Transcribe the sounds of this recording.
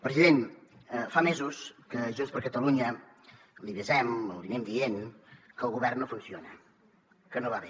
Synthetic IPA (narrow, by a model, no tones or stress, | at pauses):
pɾəziðenfamezuskəʒunspəɾkət̪əluɲə | liβəzɛməlˠβinɛmd̪ien | kəlˠɣuβɛrnnofunsionə̰ | kənoβaβe